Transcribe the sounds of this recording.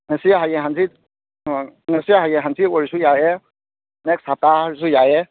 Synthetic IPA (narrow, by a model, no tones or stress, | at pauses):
nɛsijaɦajɛɦansit̚ | nɛsijaɦajɛɦansitwɔɹisujajɛ | nɛksataaɹis̬ujajɛ